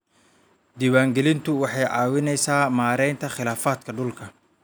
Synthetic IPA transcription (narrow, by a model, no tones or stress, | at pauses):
d̪iːwaːŋɡɛlɪnt̪ʰʊwɑħɑjʕɑːwɪnɛjsaːmaːɾɛjnt̪ʰɐχɪlaːfaːd̪kʰɐɖʊlkʰɐ